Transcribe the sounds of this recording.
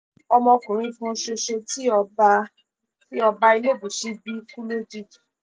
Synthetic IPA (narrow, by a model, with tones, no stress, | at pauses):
ɔ˧mɔ̃˧kũ˨ɾ̃ĩ˧fũ˦ʃe˧ʃe˧ti˦ɔ˧ba˧ | ti˦ɔ˧ba˧˦i˧le˦˨bu˨ʃi˦bi˦kũ˦le˦d͡ʒi˦˨d